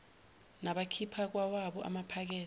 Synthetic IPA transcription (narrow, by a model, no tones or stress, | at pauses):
naɓakʰipʰak̬wawaɓɔʔa̰mapʰak̬ɛː